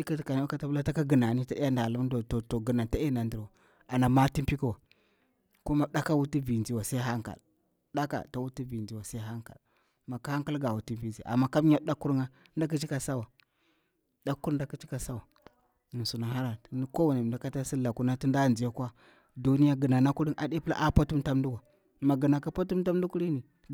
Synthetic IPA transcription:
i˦ka˦tka˨n˦a˦ka˦ta˦bla˦ta˦ka˦ɡi˨na˨ni˦ta˦i˦ja˦nda˨la˦m˦do˨to˨to˨ɡə˨na˨ta˦e˦na˨ndi˨ɾwa˨ | a˨na˨ma˦ti˦mpi˦ki˨wa˨ | ko˦ma˦ɗa˦ka˦wu˦ti˦vi˨nd͡ʒi˨wa˨sa˦i˦ɦa˦ŋka̰˨l | ɗa˦ka̰˨ta˨wu˦ti˦vi˨nd͡ʒi˨wa˨sa˦i˦ɦa˦ŋka̰˨l | ma˨ka˨˦ha˦ŋka˦lɡa˨wu˨ti˦vi˨nd͡ʒi˨ʔa̰˨mːa˦ka˦m˦ɲa˦da˦ku˦ɾŋa˦nda˦k̬i˦t͡ʃi˦ka˨sa˦wa˨ | da˦kːu˦ɾnda˦ki˦t͡ʃi˦ka˨sa˦wa˨ | ni˨su˨na˨ɦa˦ɾa˨˦n˦ko˦wa˨ni˨da˨˦ka˦ta˦si˦la˨ku˦na˦ti˦nda˦˨nd͡ʒi˨a˦kwa˦ | du˦ni˦ja˦ɡə˨na˨na˦ku˦ɾi˦nʔa̰˨ɗe˦pla̰˦ʔa˦pa˦tu˦m˦ta˦mndu˦wa˨ | ma˨ɡə˨na˨ka˦pa˦tu˦m˦ta˦m˦du˦ku˦ɾi˦ni˨

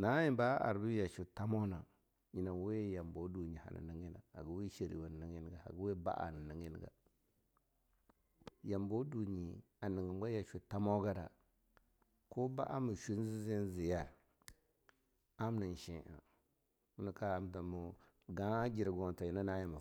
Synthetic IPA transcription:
na˦ji˨ba˦a̰˨ɾbi˦ja˨ʃu˨ta˦mo˦na˨ | ɲi˨na˨we˦ja˨mbo˨˦du˨ɲi˨ha̰˨na̰˨ni˨ŋi˦na̰˨a̰˨ɡu˨˦wi˦ʃi˨ɾḭ˨wa˨n˨i˨ŋi˦n˦ɡa˨ha̰˨ɡu˦we˦ba̰˦ʔa̰˨n˨ni˨ŋi˦n˦ɡa̰˨ | ja˨mbo˦du˨ɲi˨ | a˨ni˨ŋɡi˨mɡa˦ja˨ʃu˨ta˦mo˦ɡa˦da̰˨ | ko˦ba˦ʔa˦mu˨ʃu˦n˦zi˦zi˦n˦zi˨ja˦ | a˦m˦ni˨n˨ʃi˦ʔa̰˨ | mu˦ni˨ka˦a˨m˦ta˨mu˨ | ɡa˦d͡ʒi˨ɾɡo˨n˨ta˨ji˨na˦na˦ji˨ma˨

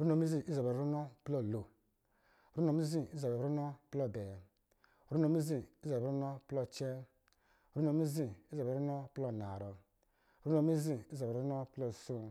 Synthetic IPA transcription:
ɾu˦no˨mi˦zi˦i˦za˨be˨ɾɾu˦no˦plo˦˨lo˨ | ɾu˦no˧˨mi˦zi˦i˦za˨bɾu˦no˦plo˦˨be˨ | ɾu˦no˧mi˦zi˦˨i˦za˨˦u˦no˦plɔ˦˨t͡ʃe˦˨ | ɾu˦no˧mi˦zi˦˨i˦zu˦no˦plo˦˨na˨ɾɔ˨ | ɾu˦no˨˧˦mi˦zi˦i˦za˨ɾu˦no˦plɔ˦˨so˦

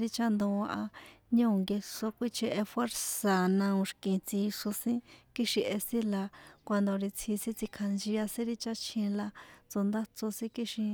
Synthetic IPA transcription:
ɾi˧t͡ʃa˦nd̪õ˧a˧ʔa˧ɲõ˦˨ŋɡe˧ʂo˧kʷi˦t͡ʃe˧ʔe˧fwe˦ɾsa˨nã˧ũ˧ʃkĩ˨t͡si˧ʂo˧sĩ˦ki˦ʃi˧ʔe˧sĩ˦la˧kʷa˧nd̪o˨ɾi˧t͡sʰi˧sĩ˦t͡si˧kʰa˧nd͡ʒi˧a˧sĩ˦ɾi˦t͡ʃa˦t͡ʃʰĩ˧la˧t͡so˧nd̪a˦t͡so˧sĩ˦ki˦ʃĩ˧

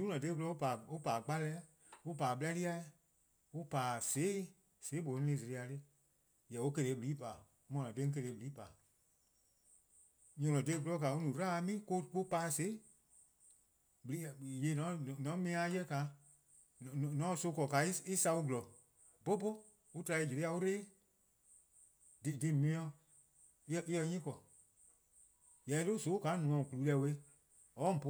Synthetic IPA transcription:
u˦lɔ̃˨e˧˦ɡu˧lɔ˧˦o˦pa˨o˦paː˨k͡pa˦lɛː˦ | o˦paː˨ɓɨ˦la˧˦li˦a˧˦ | o˦paː˨se˨˦ | seː˨˦bo˨˦nĩ˦ĩ˧˦˨se˨ɾi˧a˧tɨ˦ | jɛ˨o˦ke˧ɾeː˨˧˦bɨ˨liː˨˦paː˨˦ | mɔ̃˨lɔ̃˨dẽ˧˦ŋ˦k̬ə˧ɾeː˨˦bɨ˨liː˨˦paː˨ | ɲɔ̃˨lɔ̃˨de˧˦ɡu˨lɔ˨˦ka˨o˦nũː˨ɾaː˦a˧˦mĩː˦ko˦k͡po˦paː˧˦se˨˦ | bɨ˨li˦˨je˨˦nɔ̃˨˦n˨nɔ̃˨˦mĩ˧˦ã˧˦jɛ˦ka˨˦˨ | n˨nɔ̃˨˦so˧˦kɔ˨ka˨˦i˦i˦sa˧u˦ɡu˨lɔ˨ | bo˦bo˦ | u˦tɾa˧i˧˨d͡ʒe˨ɾe˧˦a˧u˦ɾeː˦ | di˨di˧mĩ˧˦ɔ̃˧˦˧ | i˦jɛ˧ɲĩ˦kɔ˨ | jɛ˨˦lo˦˨so˨˦ka˨˦nũ˨ɔ̃˨ku˨u˨˧˦lɛ˧˦˨we˧˦ | ɔ˨˦m̩˨po˧

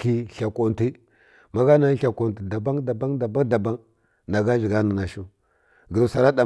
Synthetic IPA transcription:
ki˦ɬa˨ko˨nti˦ | ma˦ɡa˦na˨˦ɬa˨ko˨nti˨da˨ba˦ŋda˨ba˦ŋda˨ba˦ŋda˨ba˦ŋ | na˨ɡa˦vi˨ɡa˦na˨na˨ʃu˦ | ɡi˨ɾu˨sa˨ɾa˦da˨

